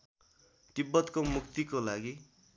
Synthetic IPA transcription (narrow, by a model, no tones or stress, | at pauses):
ʈibːʌt̪komukt̪ikolaɡi